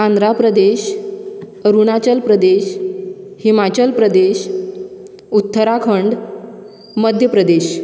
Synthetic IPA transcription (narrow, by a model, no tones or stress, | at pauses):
ãnd̪ɾapɾəd̪eɕ | əɾuɳ̃at͡ɕəlpɾəd̪eɕ | himat͡ɕəlpɾəd̪eɕ | ut̪ːəɾakʰəɳɖ | məd̪ʱjəpɾəd̪eɕ